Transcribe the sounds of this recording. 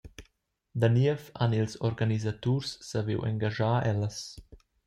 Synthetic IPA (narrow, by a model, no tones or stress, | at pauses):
d̪aniəfa̰nilsɔɾɡanizat̪ursːavḭwʔɛ̰ŋɡaʒaːʔɛləs